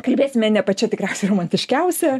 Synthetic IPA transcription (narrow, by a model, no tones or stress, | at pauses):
kɐlʲbʲeːsʲɪmʲɛnʲɛpɐt͡ʃʲɛt̪ʲɪkɾʲɛʊsʲɛɪroːmɐnʲt̪ʲɪʃʲkʲɛʊsʲɛ